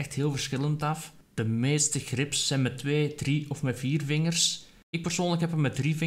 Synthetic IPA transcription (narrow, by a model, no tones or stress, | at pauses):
ɛxtɦeːlˠvərsxɪlˠəntɑf | d̥əmeːstəɣrɪpsːɛjnmɛtːweːdriɔfmɛviːrvɪŋərs | ɪk̚pərsoːnləkɦɛpəmɛdrivɪ